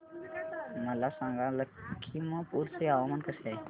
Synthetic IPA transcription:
məlasãŋɡaləkkʰːimə̃puɾseaʋəmənkəsa

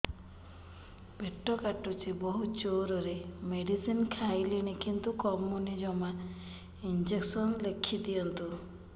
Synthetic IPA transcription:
beʈːɔkaʈut͡ʃibɔɦut͡ʃoɾɔɾemeɖisinkʰajliɽ̃ikint̪ukɔmunid͡ʒɔma | ind͡ʒeksɔnlekʰid̪ijɔnt̪u

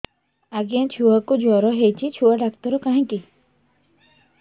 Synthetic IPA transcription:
aɡijãt͡ʃʰuakud͡ʒɔɾɔɦejt͡ʃʰit͡ʃʰuaɖak̚t̪ɔɾukaɦĩki

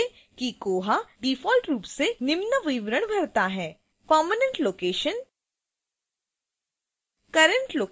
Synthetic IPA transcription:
kikoːɦaɖiːfɔːlʈɾuːpsenɪmnəʋiʋɾəɽ̃bʱɐɾt̪aɦɛː | kɔːmənə̃ɳʈloːkeːʃən | kɐɾə̃ɳʈloː

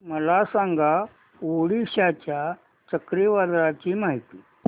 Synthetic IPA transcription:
məlasãŋɡʱa | ʋoɽiɕat͡ɕja | t͡ɕəkɾeʋad̪ɾat͡ɕiːmaɦit̪iː

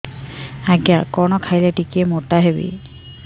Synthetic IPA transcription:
aɡjakɔɹnɔkʰajlɛʈikemotaɦebḭ

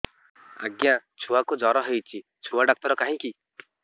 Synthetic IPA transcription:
a̰ɡjat͡ʃʰuwakud͡ʒɔɾɔɦejt͡ʃʰi | t͡ʃʰuaɖak̚t̪ɔɾɔkaɦĩki

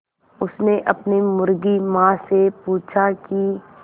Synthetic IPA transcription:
ʊsneʔɐpnemʊɾɡimãːsepuːt͡ʃʰaki

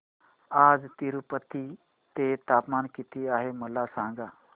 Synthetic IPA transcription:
ad͡zt̪iɾupət̪ːiː | t̪et̪apmankit̪iaɦeməlasãŋɡa

